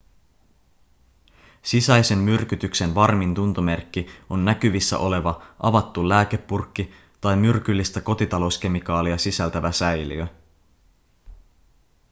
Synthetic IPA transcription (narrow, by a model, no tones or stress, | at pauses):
sisæjse̞mmyrk̟yt̪ykse̞nʋɑrmint̪unt̪ome̞rkːio̞nːækyʋisːæ̰ʔo̞le̞ʋɑʔɑʋɑt̪ːulæːke̞pːurkːi | t̪ɑjmyrk̟ylːist̪æko̞t̪it̪ɑlo̞wsk̟e̞mikɑːliɑsisælt̪æʋæsæjlḭø